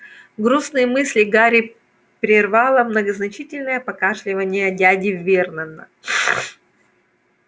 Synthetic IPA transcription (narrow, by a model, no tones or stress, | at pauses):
ɡɾusnɨjəmɨsʲlʲɪɡaɾʲɪ | pɾʲɪrvɑlˠəmnəɡəznɐt͡ɕitʲɪlʲnəjəpɐkaʂlʲɪvənʲɪjədʲædʲɪvːʲernənə